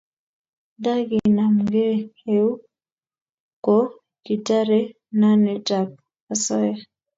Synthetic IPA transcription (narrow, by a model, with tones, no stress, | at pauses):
da˦ɡi˨na˨m̩ɡɛ˦he˦u˦ | kɔ˦ | ki˨ta˦ɾɛ˦ | na˦nɛ˨ta˨k̚ | a˨sɔ˦jɛ˦